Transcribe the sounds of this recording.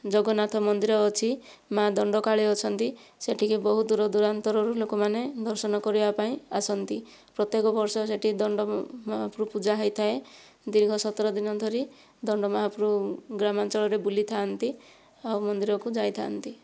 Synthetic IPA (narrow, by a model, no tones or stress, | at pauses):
d͡ʒɔɡɔnat̪ʰɔmɔnd̪iɾɔːt͡ʃʰi | mad̪ɔɳɖɔkaɭiɔt͡ʃʰɔnt̪iseʈʰikibɔɦud̪uɾɔd̪uɾant̪ɔɾɔɾulokɔmaned̪ɔɾsɔnɔkɔɾibapaĩasɔnt̪i | pɾɔt̪jekɔbɔɾsɔseʈʰid̪ɔɳɖɔmɦapɾupud͡ʒaɦɔjt̪ʰae | d̪iɾkʰɔsɔt̪ɔɾɔd̪inɔd̪ʱɔɾi | d̪ɔɳɖɔmɔɦapuɾuɡɾamant͡ʃɔɭɔɾebulit̪ʰant̪i | awmɔnd̪iɾɔkud͡ʒajt̪ʰant̪i